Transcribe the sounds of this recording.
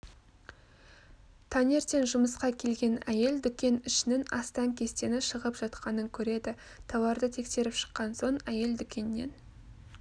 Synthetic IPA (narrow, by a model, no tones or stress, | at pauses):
t̪ʰɑne̞ɾt̪e̞nʒʊməsqɑkʲʰe̞lɡʲe̞næje̞ld̪ʏkʲe̞nʏʃɪnɪnɑ̰st̪ɑŋkʲʰe̞st̪e̞nɪʃəʁəpʒ̥ɑt̪qɑnəŋkʲʰɵɾe̞d̪ɪ | t̪ʰɑwɑɾd̪ət̪ʰe̞kse̞ɾɪpʃə̥qːɑnso̞ɴæje̞ld̪ʏkʲe̞nːe̞̰n